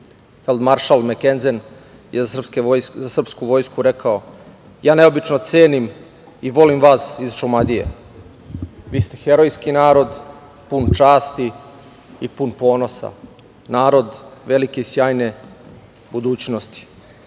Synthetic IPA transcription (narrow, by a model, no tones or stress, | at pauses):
fe̞ld̪maɾʃalmekenzen | jezarpsejzasr̩pskuʋo̞ːjskuɾe̞kʰao̞ | jaːne̞obit͡ʃno̞t̪seːnim | iʋo̞limʋasizʃomad̪ijḛ | ʋiːst̪e̞xe̞ɾo̞jskinaːɾo̞d̪ | punt͡ʃaːst̪i | ipunpo̞ːno̞sa̰ | naːɾo̞d̪ʋe̞likeisjaːjne̞ | bud̪uːt͡ɕno̞st̪i̥